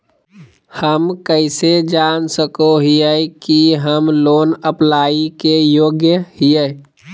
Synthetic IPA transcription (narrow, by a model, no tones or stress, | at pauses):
həmkəɪsed͡ʒaːnsəkoɦiəkiɦəmloːnəplaːikejoːɡjəhiə